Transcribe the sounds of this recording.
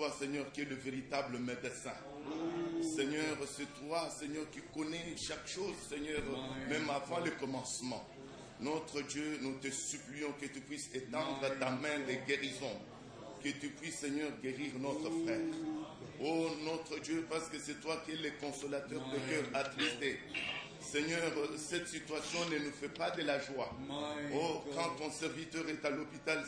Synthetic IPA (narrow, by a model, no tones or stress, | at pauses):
wasɛɲœʁkʲiɛləveʁit̪abləmed̪əsɛ̰̃ | sɛɲœʁsɛt̪wasɛɲœʁkikɔnɛʃakʃozsɛɲœʁmɛ̃mavɑ̃ləkɔmɑ̃smɑ̰̃ | nɔt̪χəd̪jønut̪əsyplyɔ̃kət̪ypɥiset̪ɑ̃d̪ʁət̪amɛ̃d̪eɡeʁizɔ̃ | kət̪ypɥisːɛɲœʁɡeʁiʁnɔt̪χəfχɛːʁonɔt̪χəd̪jøpaʁsə̥kəsɛt̪wakʲiɛləkɔ̃sɔlat̪œʁd̪ə̃kœʁat̪χist̪e | sɛɲœʁsɛt̪sit̪ɥasjɔ̃nənufɛpad̪əlaʒwaokɑ̃t̪ɔ̃sɛʁvit̪œʁɛt̪alɔpit̪al